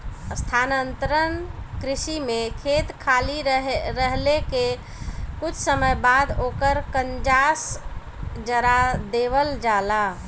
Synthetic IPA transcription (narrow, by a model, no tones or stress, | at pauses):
əst̪ʰanənt̪ɾənkɾɪsimekʰet̪kʰaliɦɾəɦleke | kʊt͡ʃʰsəməjbad̪okəɾkənd͡ʒas | d͡ʒəɾad̪eβəld͡ʒala